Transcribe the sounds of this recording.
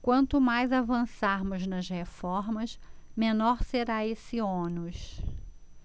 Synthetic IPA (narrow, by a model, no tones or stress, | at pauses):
kwɐ̃nt̪ʊmajzavɐ̃saɾmʊznɐʃhefɔɾmɐsmẽnɔɾseɾaesɪõnʊs